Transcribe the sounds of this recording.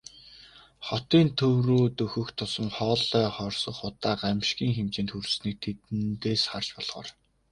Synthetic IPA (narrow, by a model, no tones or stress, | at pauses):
χɔt̪iːnt̪ʰɵwruːt̪ɵxɵ̆xkt̪ʰʊsə̆mχɔːɮœːχɔrsɞ̆χχʊt̪aːqamʃkiːŋxemt͡ɕeːnt̪xursniːk̚t̪ʰet̪ɘ̆nt̪eːsχart͡ɕpɔɮχɔ̰ːr